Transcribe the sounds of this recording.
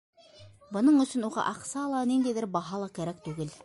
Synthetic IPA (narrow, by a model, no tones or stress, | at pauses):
bŏnɤɴɵ̆sɵnuʁɑ̰ʔɑqsɑːlˠɑnind̪æjðɘɾbɑɦɑlˠɑkæɾæk̚t̪ʉɡɘl